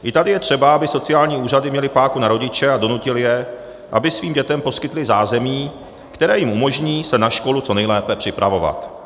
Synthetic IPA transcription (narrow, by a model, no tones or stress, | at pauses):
ʔɪt̪adɪjɛt̪r̝̥ɛbaabɪso̞t͡sɪaːlɲiːuːr̝adɪmɲɛlɪpaːkunaɾo̞ɟɪt͡ʃɛado̞nucɪlɪjɛ | ʔabɪsviːmɟɛt̪ɛmpo̞skɪt̪lɪzaːzɛmiː | kt̪ɛɾɛːjɪmʔumo̞ʒɲiːsɛnaʃko̞lut͡so̞nɛjlɛːpɛpr̝̥ɪpɾʔavo̞va̰t̪